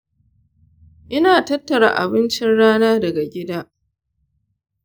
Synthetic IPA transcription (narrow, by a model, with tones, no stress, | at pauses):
ʔɪ˦naː˨tɐ˦tːɐ˨ɽa̰˨ʔa̰˨bɪ˦nt͡ʃɪ˦nɽaː˦naː˦dɐ˨ɡa˨ɡʲɪ˦daː˦